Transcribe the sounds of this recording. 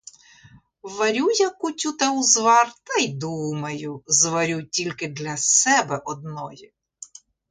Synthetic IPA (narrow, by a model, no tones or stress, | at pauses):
ʋɐɾʲujɐkʊtʲut̪ɐwzʋɑrt̪ɐjd̪umɐjʊzʋɐɾʲutʲilʲkɪd̪lʲɐsɛbɛʔɔd̪̚nɔji